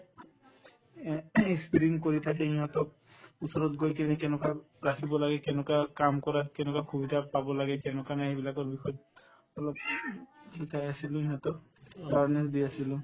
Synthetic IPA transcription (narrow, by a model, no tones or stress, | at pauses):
ekspiɹinkoɹitʰak̬ɛɦiɦɔtɔk̚ | usɔɹɔt̚ɡojkɛnikɛnɔka | ɹakʰibɔlaɡɛkɛnɔkakamkɔɹatkɛnɔkakʰubidapabɔlaɡɛkɛnɔkanaɦibilakɔɹbixɔjt | ɔlɔp̚ | sikʰajasilʊ̃iɦɔtɔk | baɹnɛsdiasilʊ